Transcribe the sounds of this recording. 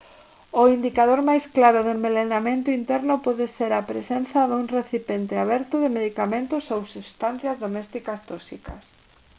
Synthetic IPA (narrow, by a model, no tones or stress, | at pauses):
ʊind̪ikaðoɾmajsklaɾʊðɪmelenamẽnt̪ʊint̪ɛɾnʊpɔðɪseɾapɾḛsenθɐðuŋreθipent̪ɪaβɛɾt̪ʊðɪmeðikamẽnt̪ʊsowsuβst̪an̟θjɐzðomɛst̪ikast̪ɔsikɐ̰s